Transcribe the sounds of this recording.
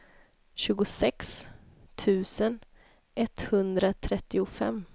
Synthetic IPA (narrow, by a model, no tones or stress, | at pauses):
ɕʉ̟ːɡʊsɛkst̪ʰʉ̟ːsən | ʔɛt̪hɵnd̪ɾat̪ʰɾɛt̪ːɪʊfɛ̰m